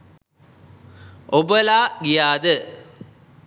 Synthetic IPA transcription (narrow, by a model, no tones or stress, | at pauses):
obəlaːɡijaːd̪ə